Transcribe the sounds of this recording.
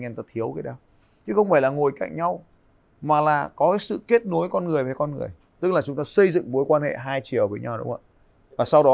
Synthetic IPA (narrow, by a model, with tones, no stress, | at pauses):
ŋɛ˧˩nt̪aː˧˩t̪ʰi˨˦əwkə˨˧˦ɗaː˧w | t͡ɕɨ˨˦xə˧wŋ͡mfaː˧˩jlaː˨˩ŋo˨˩jka̰˧˩jŋɲa˧w | maː˨˩laː˨˩kɔ˨˦kaː˨˦jsɨ̰˧˨ke˦˥t̚no˨˦jkɔ˧nŋɨ˨˩əjvəː˨˦jkɔ˧nŋɨ˨˩əj | t̪ɨ˦˥k̚laː˨˩t͡ɕʊ˨˦ŋ͡mt̪aː˧sə˧jzɨ̰˧˨ŋmo˨˦jkwaː˧nhḛ˧˨ɦaː˧jt͡ɕi˨˧˩ə˨wvəː˨˦jɲa˧wɗʊ̰˨˦ŋ͡mhə̰˧˨ | vaː˨˩sa˧wɗɔ˨˦